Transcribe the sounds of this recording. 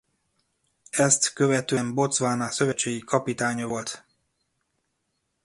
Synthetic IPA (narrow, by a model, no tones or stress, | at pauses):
ɛst̪køvɛt̪øɛmbo̞t̪sʋaːnasø̞vɛt͡ʃːeːɡikɒpit̪aːɲɒvo̞lt̪